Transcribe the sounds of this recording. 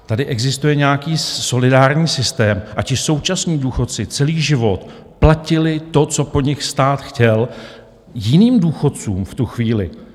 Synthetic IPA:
t̪adɪʔɛɡzɪst̪ujɛɲɛjakiːso̞lɪdaːɾɲiːsɪst̪ɛːmʔacɪso̞wt͡ʃasɲiːduːxo̞t̪t͡sɪt͡sɛliːʒɪvo̞t̪ | placɪlɪt̪o̞t͡so̞po̞ɲɪxst̪aːt̪xcɛl | jɪniːmduːxo̞t̪t͡sṵːmft̪uxviːlɪ̰

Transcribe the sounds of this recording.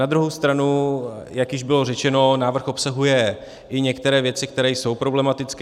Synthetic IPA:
nad̪ɾuɦo̞wst̪ɾanujakjɪʒbɪlo̞rɛt͡ʃɛno̞naːvr̩xo̞psaɦujɛ | ʔɪɲɛkt̪ɛɾɛːvjɛt͡sɪk̚t̪ɛɾɛːjso̞wpɾo̞blɛmat̪ɪt͡sk

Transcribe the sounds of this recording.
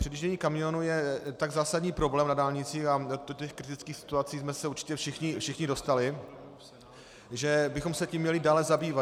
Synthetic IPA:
r̥ɪdiʒɟɛɲiːkamɪo̞nujɛt̪aɡzaːsadɲiːpɾo̞blɛːmnadaːlɲɪt͡siːxadocɛxkɾɪt̪ɪt͡skiːxsɪ̥t̪uat͡siːsmɛsɛuɾt͡ʃɪ̥cɛfʃɪxɲɪfʃɪxɲɪdo̞st̪alɪ | ʒɛbɪxo̞msɛcimɲɛlɪdaːlɛzabiːva

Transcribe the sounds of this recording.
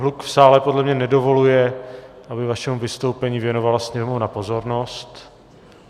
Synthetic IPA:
ɦlukfsaːlɛpodlɛmɲɛnɛdo̞vo̞lujɛʔabɪvaʃɛmuvɪst̪o̞wpɛɲiːvjɛno̞valasɲɛɾmownapo̞zo̞ɾno̞st̪

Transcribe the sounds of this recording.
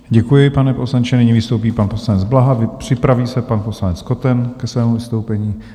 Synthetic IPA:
ɟɛkujɪpanɛpo̞slaɲt͡ʃɛnɪɲivɪst̪owp̬iːpanposlanɛd͡zblaɦavpr̝̥ɪpɾaviːsɛpanposlanɛt͡sko̞t̪ɛnkɛsvɛːmuvɪst̪owpɛɲiː

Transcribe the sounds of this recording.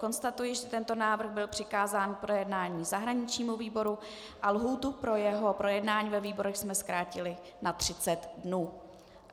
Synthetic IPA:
ko̞nst̪at̪ujɪʒɛt̪ɛnt̪o̞naːvr̩ɣbɪlpr̥ɪkaːzaːnpɾo̞jɛdnaːɲiːzaɦɾaɲɪt͡ʃɲiːmuviːbo̞ɾu | ʔalɦuːt̪upɾo̞jɛɦo̞pɾo̞jɛdnaːɲiːvɛviːbo̞ɾɛxsmɛskɾaːcɪlɪ | nat̪r̝̥ɪt͡sɛt̪dnuː

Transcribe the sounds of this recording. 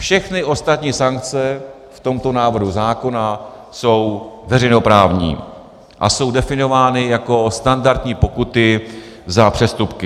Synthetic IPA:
fʃɛxnɪʔo̞st̪at̪ɲiːsaŋk̚t͡sɛ | ft̪o̞mt̪o̞naːvr̩ɦuzaːko̞na | so̞wvɛɾɛjno̞pɾaːvɲḭː | ʔa̰so̞wdɛfɪno̞vaːnɪjako̞st̪andaɾt̪ɲiːpo̞kut̪ɪzapr̥ɛst̪upkɪ

